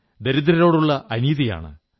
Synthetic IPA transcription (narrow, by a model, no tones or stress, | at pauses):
d̪eɾud̪ɾɐɾo̞ːɽuɭːɐʔɐniːðija̰ːɳɨ̰